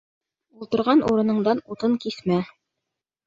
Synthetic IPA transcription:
ulˠt̪ɤ̆ɾʁɑnʔṵɾɤ̆nɤ̆ɴd̪ɑnut̪ɤŋkismæ

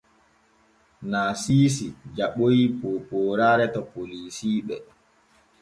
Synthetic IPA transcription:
naːsiːs̬id͡ʒaɓojipopoːɾaːɾɛtɔpoliːsiːɓɛ̰

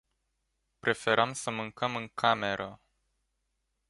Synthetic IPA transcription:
pɾʔe̞fe̞ɾamsəmɨŋkəmɨŋkʰame̞ɾʔə

